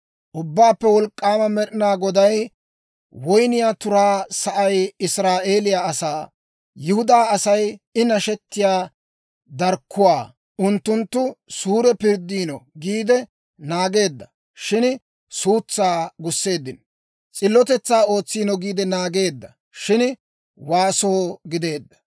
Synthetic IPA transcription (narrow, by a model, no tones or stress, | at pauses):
ʔʊbːaːpːɛwɔlkʼːaːmɐmɛɗɪnaːɡɔd̪ɐj | wɔjnɪjaːt̪ʊɾaːsɐʔɐjɪsɾaːʔeːlɪjaɐsaː | jɪhʊd̪aːɐsɐjɪnɐʃɛt̪ːɪjaː | d̪ɐɾkʰːʊwaː | ʊnt̪ːʊnt̪ːʊsuːɾɛpɪɾd̪ːiːnɔɡiːd̪ɛ | naːɡe̞ːd̪ːɐ | ʃɪn | suːt͡sːaːɡʊsːe̞ːd̪ːɪn | t͡sʼɪlːɔt̪ɛt͡sːaːo̞ːt͡sːiːnɔɡiːd̪ɛnaːɡe̞ːd̪ːɐ | ʃɪn | waːsoːɡɪd̪e̞ːd̪ːɐ̥